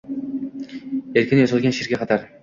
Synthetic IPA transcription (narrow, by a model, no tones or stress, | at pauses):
elkʲɪnɪjozɨlˠɡʲanʃiɾɡʲaqʰɑt̪ʰaɾ